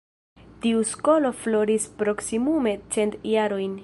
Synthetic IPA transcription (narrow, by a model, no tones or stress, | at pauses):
tiusko̞lo̞flo̞ɾispɾo̞ksimume̞t͡se̞ntjaɾo̞jn